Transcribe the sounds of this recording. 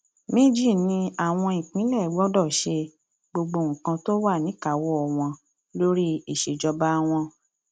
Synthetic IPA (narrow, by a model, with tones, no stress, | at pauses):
mĩ˦d͡ʒi˦˨nĩ˧a˨w̃ɔ̃˧ĩ˨k͡pĩ˨˦lɛ˦˨wɔ˦dɔ˦˨ʃe˧ | ɡ͡bo˧ɡ͡bo˧˨ũ˨kã˧to˦wa˦˨nĩ˨˦ka˨wɔ˦ɔ˨w̃ɔ̃˧ | lo˦ɾi˦i˦˨ʃe˨d͡ʒɔ˧ba˧w̃ɔ̃˧